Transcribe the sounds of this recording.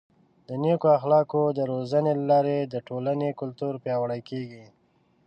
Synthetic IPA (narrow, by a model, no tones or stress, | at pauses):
d̪ənekoaxlɑkod̪əɾozanelalɑɾed̪əʈolanekʊlt̪uɾpjɑwəɽəjkeɡi